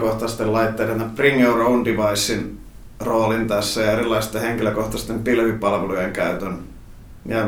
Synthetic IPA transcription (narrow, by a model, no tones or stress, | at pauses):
koht̪ɑst̪ellɑit̪ːeːɾenɑpriŋjouroundiʋɑisːin | roːlint̪æsːæjɑerilːɑist̪ːeheŋkiløkoht̪ɑst̪empilʋipɑlʋelujeŋkæyt̪øn | jɑ